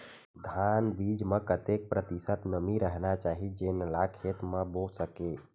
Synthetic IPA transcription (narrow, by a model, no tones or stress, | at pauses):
d̪ʱaːnbiːd͡ʒmə̃kət̪jek̚pɾət̪isət̪nəmiɾəɦnat͡ʃaːɦid͡ʒenlakʰet̪mə̃bosəkeː